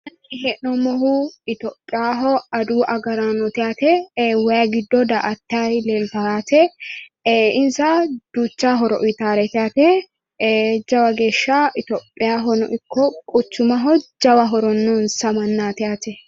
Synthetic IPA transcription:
ɐnːiɦɛʔnɔmɔɦuɪt̪ɔːpʼːɪjaːɦɔɐd̪uːʔɐɡɐɾanɔt̪ɪaːt̪ɛwɐjɐɡɪd̪ːɔd̪ɐʔɐt̪ːɐjlɛlt̪ɐat̪ɛ | ɪnsɐd̪̥uːt͡ʃːaɦɔɾɔ̰ʔit̪aːɾɛt̪ɪjat̪ɛ | d͡ʒɐwɐɡeːʃːaʔɪt̪ɔːpʼːɪjaːɦɔnɔ̰ʔɪkʰːɔkʼʊt͡ʃːʊmɐɦɔd͡ʒɐwɐɦɔɾɔnːɔnsɐmɐnːaːt̪ɪʔaːt̪ɛ

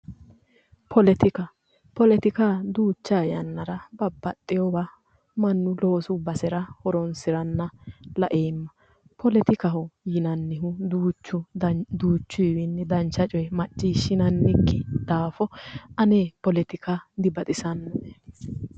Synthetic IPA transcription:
pʰɔlɛt̪ɪkɐ | pɔlɛt̪ɪkad̪uːt͡ʃːaːjɐnːɐɾɐbɐbːɐt̪ʼːɪjɔba | mɐnːʊloːsʊbɐsɛɾɐhɔɾɔnsɪɾɐnːɐlɐ̰ʔeːmːɐ | pʰɔlɛt̪ɪkɐɦɔjɪnɐnːɪɦʊd̪uːt͡ʃːʊd̪uːt͡ʃːʊjɪwɪnːɛd̪ɐnt͡ʃːɐt͡ʃʼɔjmɐt͡ʃʼːiːʃːɪnɐnːɪkːɪd̪̥aːfɔʔɐneːpɔlɛt̪ɪkad̪ɪbɐt̪ʼɪsɐnːɔɛ

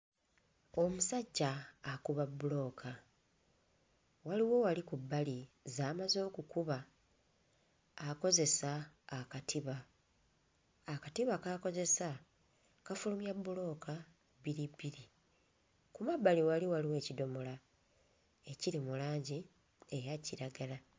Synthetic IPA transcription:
o̞musaɟːaːkuβabːulo̞ːkʰa | waliwo̞walikubːalizaːmazo̞ːkukuβa | ko̞ze̞saːkatʰiβa | katiβakako̞ze̞sa | kafulumjabːulo̞ːka | biɾibːiɾi | kumabːaliwaliwaliwe̞ːcido̞mola | e̞ciɾimulaːɲɟi | ejaciɾaɡala

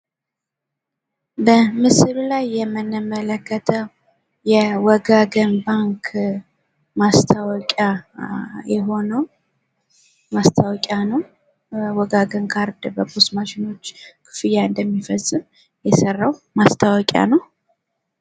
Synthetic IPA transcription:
bəmɨsɨlulajːɛmːɨnɨmələkʰːət̪ʰəw | jɛwɔɡaɡənbaŋkʰ | mast̪ʰawɔkʼja | jɛɦo̞nəw | mast̪ʰawɔkʼjanəw | wɔɡaɡənkʰaɾd̪bəbusmaʃɪno̞t͡ʃːkʰɨ̥fɨjaɨnd̪əmːifəsʼɨm | jɛsərːawmast̪ʰawɔkʼja̰nəw

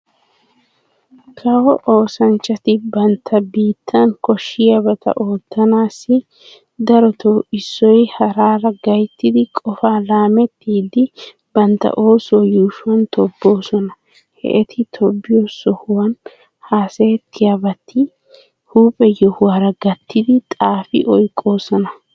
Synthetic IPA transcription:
kʰɐwɔʔo̞ːsɐnt͡ʃːɐt̪ɪbɐnt̪ʰːɐbiːt̪ʰːɐŋkɔʃːɪjɐbɐt̪ʰɐ̰ʔo̞ːt̪ːɐnaːsːɪ | d̪ɐɾɔt̪ɔɪsːɔjhɐɾaːɾɐɡɐjt̪ːɪd̪ɪkʼɔfaːlaːmɛt̪ːɪd̪ɪ | bɐnt̪ːɐ̰ʔo̞ːsʊwɐjuːʃʊwɐnt̪ʰɔbːo̞ːsɔnɐ | hɛ̰ʔɛt̪ʰɪt̪ʰɔbːɪjosɔhʊwɐn | haːseːt̪ʰːɪjabɐt̪ʰːɪ | huːpʼɛjɔhʊwaːɾɐɡɐt̪ʰːɪd̪ɪt̪ʼaːfɪʔɔjkʼːo̞ːsɔnɐ

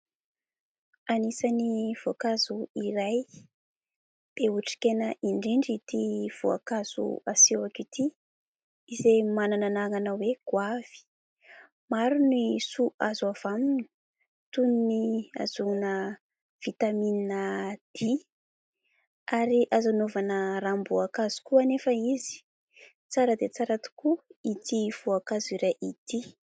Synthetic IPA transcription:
anisaniv̥oakazuiɾaj | b̥euʈ͡ʂi̥kenəʔiɳɖ͡ʐiɳɖ͡ʐit̪iv̥oa̰kaz̥ṵaseakit̪i | izemanananaŋanaweɡ̥wav̥i̥ | maɾunisuʔazuav̥aminu̥ | t̪uninia̰zunə | v̥it̪amininəd̪̥i | aɾiʔazanovanərambuakazu̥kuanefəizi̥ | t͡saɾəd̪et͡saɾat̪u̥kuit̪iv̥uakaziɾaʔit̪i

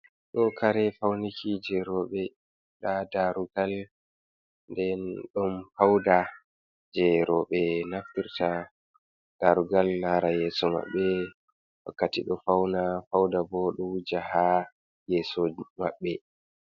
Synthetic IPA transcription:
ɗɔkʰaɾɛfawnikʰid͡ʒɛɾɔɓɛ | ɗadaɾuɡal | ndɛnɗɔmfawda | d͡ʒɛɾɔɓɛnaftiɾta | d̥aɾuɡalnaɾajɛːsɔma̰ɓːɛ | wa̰kːatiɗɔfawnafawdabɔɗud͡ʒaha | jɛːsɔma̰ɓːɛ

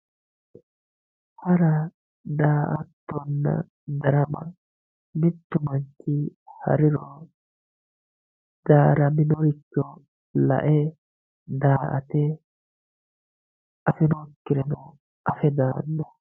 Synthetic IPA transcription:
hɐɾɐ | d̪aːʔɐt̪ːɔnːɐ̰ | d̪ɐɾɐmɐ̰ | mɪt̪ːʊmɐnt͡ʃːɪhɐ̰ɾɪɾɔ | d̪̥aːɾɐmɪnɔɾɪt͡ʃːɔ | lɐ̰ʔɛ | d̪aːʔɐt̪ɛ | ʔɐfɛnɔkːɪɾɛnɔ | ʔɐfɛd̪aːnːɔ

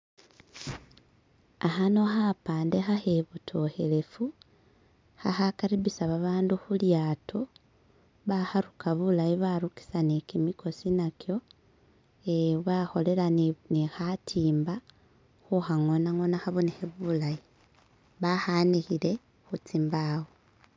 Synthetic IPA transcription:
axano̞xapaːnde̞xaxeβutʰo̞xe̞le̞fu | xa̰xakaɾiβisaβaβaːnduxuljatʰo | βaxaɾukaβulajiβaɾuki̥sanekimiko̞sinakjo̞ | eβaxo̞le̞lanixatʰiːmba | xuxaŋo̞naŋo̞naxaβonexeβulaji | βaxanixile̞ | xut͡simbawo

